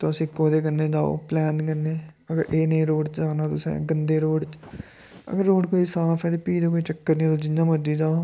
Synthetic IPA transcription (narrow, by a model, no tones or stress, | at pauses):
t̪õːəsĩːkoːd̪eːɡənːeːd̪aːo̰ːplɛːnkənːeː | əɡəɾeːnẽːɾoːɖt͡ʃd͡ʒaːnaːt̪ʊsɛ̰̃ːɡənd̪eːɾoːɽt͡ʃ | ə̰ɡəɾːoːɽkoːiːsaːpʰɛːt̪eːpiːd̪oːkoːiːt͡ʃəkːəɾnĩːt̪oːd͡ʒɪãːməd͡ʒiːd̪aːo